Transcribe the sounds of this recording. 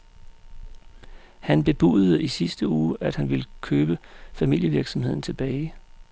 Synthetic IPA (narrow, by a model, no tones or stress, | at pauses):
hænb̥e̝b̥ṵð̩ˠisisd̥əuːʔæd̥hænʋe̝ləkʰøːb̥əfæmil̰jəʋiɐɡ̥sɒ̽mhe̝ð̞̰ˠn̩t͡sʰe̝b̥ɛːɪ